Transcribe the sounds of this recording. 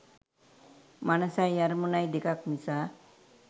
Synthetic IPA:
manasajjaɾmunajd̪ekakmisa

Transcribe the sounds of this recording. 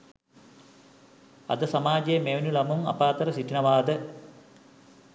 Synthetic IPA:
ɐ̰d̪ɨsɐmaːd͡ʑɐemeʋnulɐmumɐ̰paːt̪ːɐɾɐsiʈːinɐʋaːd̪ɨ

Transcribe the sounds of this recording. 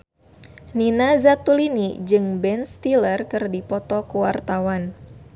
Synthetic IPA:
ninazat̪ulinid͡ʒɨŋbɛnst̪ilərkɨrdipɔt̪ɔkuwart̪awan

